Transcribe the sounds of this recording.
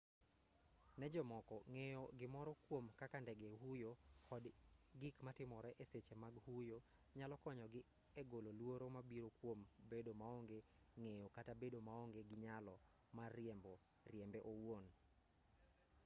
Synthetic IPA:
nɛd͡ʒɔmɔkɔŋejɔɡɪmɔɾɔkwomkakandɛɡeɦujokɔdɡikmatɪmɔɾɛʔeset͡ʃemaɡhujo | ɲalɔkɔɲɔɡɪ | eɡololwoɾomabiɾokwombedomaɔŋɡe | ŋejokatabedomaoŋɡeɡɪɲalɔ | marɛmbɔ | rjɛmbɛʔowon

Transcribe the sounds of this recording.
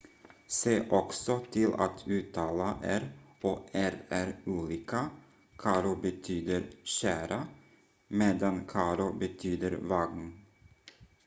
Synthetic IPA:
seːʔɔksɔt̪ʰɪla̰t̪ʰʉːt̪ʰɑːlaʔæɾoːʔæɾæɾʉːliːka | kʰɑːɾʊbət̪ʰyːd̪əɾʃæːɾa | meːd̪ankʰɑːɾʊbət̪ʰyːd̪əɾvɑɡn

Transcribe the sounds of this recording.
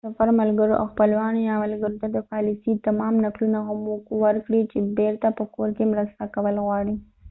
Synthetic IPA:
safaɾmalɡəɾoʔa̰wxpəlwɑnjamalɡəɾot̪ad̪əpɑlisit̪amɑmnaklunaɣʊmokwəɾkɽit͡ʃebeɾt̪apəkoɾkemɾəst̪akawəlɣwɑɽi

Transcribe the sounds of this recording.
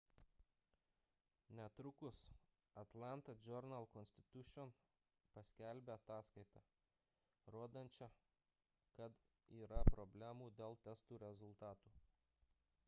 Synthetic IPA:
nʲɛt̪ɾʊkʊs | ɐt̪lˠɑˑnt̪ɐd͡ʒʲɔɾnɐlˠkɔnʲsʲt̪ʲɪ̥t̪ʊʃʲɔn | pɐsʲkʲæˑlʲbʲeɐt̪ɑːskɐɪt̪ɑ | ɾoːd̪ɐnʲt͡ʃʲɛ | kɐt̪ | iːɾɐpɾɔbʲlʲæmuːd̪ʲeːlˠt̪ʲɛst̪uːɾʲɛzʊlˠt̪ɑːt̪uː

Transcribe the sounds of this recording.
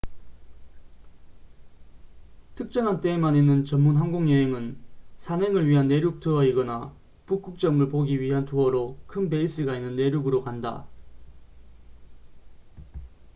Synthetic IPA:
tʰɯk̚t͡ɕ͈ʌnɦant͈emaninːɯnt͡ɕʌmːunɦanɡoŋjʌɦeŋɯnsʰanɦeŋɯɭɥiɦanːe̞ɾjuk̚tʰɯʌiɡʌna | puk͈uk̚t͡ɕ͈ʌmɯɭpoɡiɥiɦantʰoʌɾokʰɯnbe̞is͈ɯɡainːɯnːe̞ɾjuɡɯɾokanda̰

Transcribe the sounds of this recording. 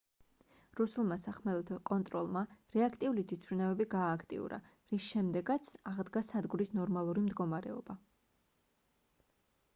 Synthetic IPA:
ɾusulˠmasaχmɛlˠɔt̪ʰɔkʼɔnt̪ʼɾɔlˠmaɾɛakʰt̪ʼiulit̪ʰwit̪ʰvɾinavɛbiɡaːkʰt̪ʼḭṵɾa̰ | ɾisʃɛmd̪ɛɡat̪sʰaʁd̪ɡasad̪ɡuɾisnɔɾmalˠuɾimd̪ɡɔmaɾɛɔb̥a

